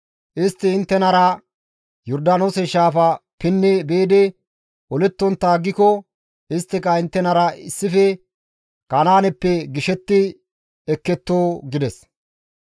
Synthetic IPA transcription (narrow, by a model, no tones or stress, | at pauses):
ʔɪst̪ːɪːnt̪ːɛnɐɾɐ | jɔɾd̪aːnoːsɛʃaːfɐpɪnːɛbeːd̪ɛ | ɔlɛt̪ːɔnt̪ːaːɡːɪkɔ | ɪst̪ːɪkɐɪnt̪ːɛnɐɾɐɪsːɪfɛ | kanaːnɛpːɛɡɪʃɛt̪ːɪ | ɛkːɛt̪ːoːɡɪd̪ɛs